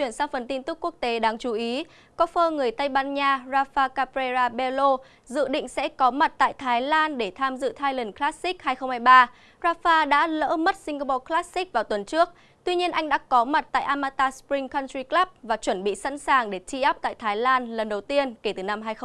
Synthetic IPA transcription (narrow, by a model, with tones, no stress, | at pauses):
t͡ɕwi˧˩ənsaː˧wfə˨˩nt̪i˧nt̪ɨ˦˥k̚ːu˦˥ək̚t̪e˨˦ɗaː˧ŋt͡ɕu˧˩ʔi˨˦ | kɔ˨˦fəː˧ŋɨ˨˩əjt̪ə˧jɓaː˧nɲaː˧zaː˧faː˧kaː˧pɾe˧zaː˧ɓe˧lo˧ | zɨ̰˧˨ɗḭ̈˧˨ŋ̟sɛ̰˧˥kɔ˨˦ma˨˩t̚t̪a̰ː˧˨jt̪ʰaː˨˦jlaː˧nɗe˧˩t̪ʰaː˧mzɨ̰˧˨t̪ʰaː˧jlə˨˩nklaː˦˥ssi˦˥k̚haː˧jxə˧wŋ͡mhaː˧jɓaː˧ | zaː˧faː˧ɗa̰ː˧˥lə̰ː˧˥mə˦˥t̚sï˧ŋ̟ɡa˧pɔ˧klaː˦˥si˦˥k̚vaː˨˩wt̪wə˨˩nt͡ɕɨ˦˥ək̚ | t̪wi˧ɲi˧ənʔa˧jŋ̟ɗa̰ː˧˥kɔ˨˦ma˨˩t̚t̪a̰ː˧˨jʔaː˧maː˧t̪aː˧spɹï˧ŋkɔ˧nt̪ɹi˧klaː˦˥p̚vaː˨˩t͡ɕwə˧˩nɓḭ˧˨sa̰˧˥nsaː˨˩ŋɗe˧˩t͡ɕi˧ʔa˦˥p̚t̪a̰ː˧˨jt̪ʰaː˨˦jlaː˧nlə˨˩nɗə˨˩wt̪i˧ənke˧˩t̪ɨː˨˩na˧mhɦaː˧jx